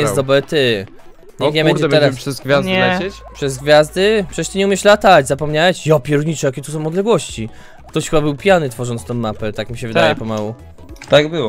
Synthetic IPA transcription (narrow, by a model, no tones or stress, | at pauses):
jɛsd̪ɔbɾɛt̪ɪ | ɲɛɡɲɛmɛ̃ɾdɛɛb̪ɛɾapʂɛzɡvʲjazɲlɛt͡ɕet͡ɕpʂɛzɡvʲjazd̪ɘpʂɛɕt̪eɲɛumʲjɛʂlat̪ad͡ʑzapɔmɲawɛt͡ɕjɔpʲjɛɾuɲit͡ʂɛjakʲɛt̪us̬ɔ̃w̃ɔd̪lɛɡwɔɕt͡ɕi | kt̪ɔɕxɘbabɘwpʲjanɘt̪fɔʐɔnt̪st̪ɔ̃w̃mːapɛt̪akmʲiɕɛvɘd̪ajɛpɔmawu | t̪aɡbɨwɔ